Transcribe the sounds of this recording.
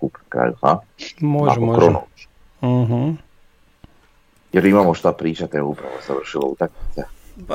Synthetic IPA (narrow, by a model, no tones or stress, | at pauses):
kupkɾa̰lfa̰ | mɔaɔkɾɔnɔ | ɦ̩ | jɔɾimamɔʃt̪apɾiːt͡ʃat̪ɛuːpɾaʋɔzaʋr̩ʃilɔut̪akit͡s̪ɛ